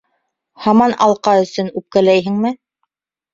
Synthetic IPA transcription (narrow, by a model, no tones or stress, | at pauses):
hɑmɑnʔɑ̰lˠqɑɵ̆sɵnʉp̚kælæjɦɘ̆ŋmɘ